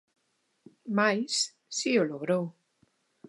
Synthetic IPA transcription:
majs | sioloɣɾow

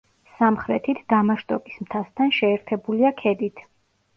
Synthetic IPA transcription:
samχɾɛt̪ʰit̪ʰd̪̥amaʃt̪ʼɔkʼismt̪ʰast̪ʰanʃɛːɾt̪ʰɛbuliakʰɛd̪it̪ʰ

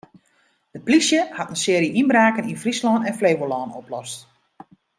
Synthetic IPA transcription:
d̥əplisjəhatənsɪːɾiʔinbraːkəninfrislɔːnɛnfleːʋolɔːnoplɔst

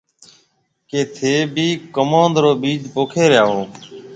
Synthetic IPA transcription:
keːt̪ʰeːbʱiːkomãːnd̪ɾoːbiːd͡ʒpoːkʰeːɾɪjaːɦoː

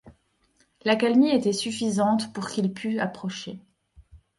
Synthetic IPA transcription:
lakalmiet̪ɛsyfizɑ̃t̪puʁkʲilpʰyapχɔʃe

